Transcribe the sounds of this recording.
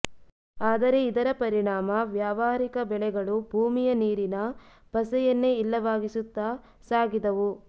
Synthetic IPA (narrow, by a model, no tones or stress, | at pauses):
aːd̪ɐɾe̞id̪ɐɾɐpɐɾiɳaːmɐʋjaːʋaːɾikɐbɛɭɛɡɐɭubʱuːmijɐniːɾinɐ | b̥ɐsɛjɐnːe̞ilːɐʋaːɡisut̪ːa | saːɡid̪ɐʋu